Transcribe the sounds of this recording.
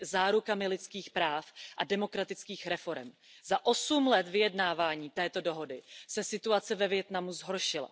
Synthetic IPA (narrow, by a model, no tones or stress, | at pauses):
zaːɾukamɪlɪt͡skiːxpɾaːfʔadɛmo̞kɾat̪ɪt͡skiːxɾɛfo̞ɾɛ̰m | zaʔo̞sumlɛt̪vɪjɛdnaːvaːɲiːt̪ɛːt̪o̞do̞ɦo̞dɪsɛsɪt̪uat͡sɛvɛvjɛt̪namuzɦo̞ɾʃɪla̰